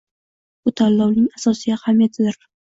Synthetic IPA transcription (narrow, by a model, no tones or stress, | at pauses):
b̥ʊt̪ʰalːɒwnɪŋasɒsɪjahamijat̪ʰɪd̪ɪɾ